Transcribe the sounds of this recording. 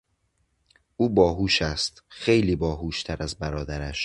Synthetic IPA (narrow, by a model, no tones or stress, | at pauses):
ʔuːbɒːɦuːʃæst̪xejliːbɒːɦuːʃt̪ʰæɾæzbæɾɒːd̪æɾæʃ